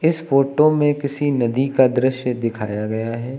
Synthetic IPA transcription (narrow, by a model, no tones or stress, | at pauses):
ɪsfoːʈomẽkɪsinɐd̪ikad̪ɾɪʃjəd̪ɪkʰa̰ːjaɡɐjaɦɛː